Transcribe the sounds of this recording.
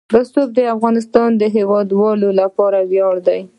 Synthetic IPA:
bəsob̚d̪əafɣɑnɪst̪ɑnd̪əɦewɑd̪wɑlolapɑɾaɣjɑɽd̪aj

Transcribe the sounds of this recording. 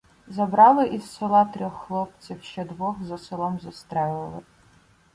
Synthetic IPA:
zɐbɾɑlˠɪʔisːɔlˠɑt̪ɾʲɔxːlˠɔp̚t͡sʲiwʃt͡ʃɛd̪ʋɔxzɐsɪlˠɔmzɐst̪ɾɛlˠɪ

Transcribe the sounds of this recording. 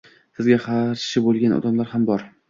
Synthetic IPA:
sɪzɡʲaχaɾʃɪbolˠɡʲanɒ̰d̪amlaɾhambɒɾ

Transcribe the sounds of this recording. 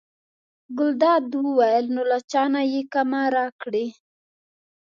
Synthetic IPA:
ɡʊld̪ɑd̪wəwajəlnolat͡ʃɑnajekamaɾɑkɽi

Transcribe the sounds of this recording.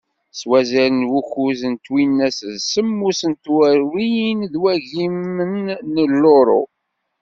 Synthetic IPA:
swæzæɾənwuçuzənt̪winːæsðsəmːusənt̪wæɾwijinðwæʝimənːəlːoɾˤo̰

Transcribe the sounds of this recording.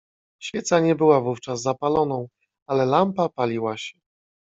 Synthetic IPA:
ɕfʲjɛt̪saɲɛbɘwavuft͡ʂazːapalɔnɔ̃w̃ | alɛlampapalʲiwaɕɛ

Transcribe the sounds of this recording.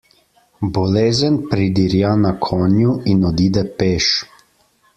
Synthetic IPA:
bɔleːzənpɾid̪iɾjanakʰɔːnjuinɔd̪iːd̪ɛpeːʃ

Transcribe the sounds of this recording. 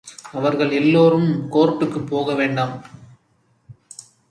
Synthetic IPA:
ɐʋɐɾɣɐɭɛlːoːɾɯmkoːɾpːɯkːɯpːoːɣɐʋeːɳɖɐm

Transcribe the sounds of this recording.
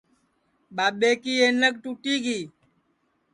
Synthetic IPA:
ɓaːɓeːkiːeːnək̚ʈuːʈiːɡiː

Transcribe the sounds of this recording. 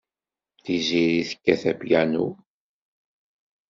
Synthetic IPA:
θiziɾiθə̥kːæθæbjænu

